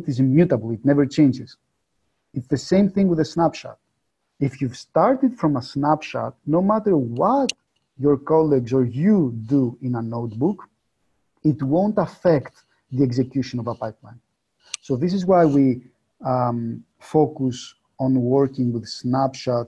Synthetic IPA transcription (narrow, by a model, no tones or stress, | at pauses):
tizimjutəbl̩ˠit̪nɛvə˞t͡ʃẽɪ̃nd͡ʒɪz̥ | itsðəsẽɪ̃mθɪ̃ŋwiðəsnapʃa̰t̪̚ | ifjuv̥st̪ɑɹt̪idfɾɔ̃məsnapʃa̰t̚noʊmæt̪əɹwɔt̪ | jɔɹkɔliɡzɔ˞juduĩnənoʊt̪̚buk | it̪wõʊ̃ntɐfɛkt̪ | ðieɡzekjuʃõnɔvəpajplã̰ɪ̃n | soðis̬izwajwi | fokus | õnwɔɹkĩŋwiðsnæpʃat̚